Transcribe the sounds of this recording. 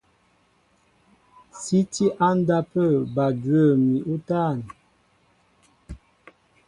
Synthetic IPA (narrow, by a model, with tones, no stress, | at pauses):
si˦ti˦ʔa˦n˦da˦pə˦˨ba˨dɥə˦˨mi˨ʔu˦ta˦˨n˨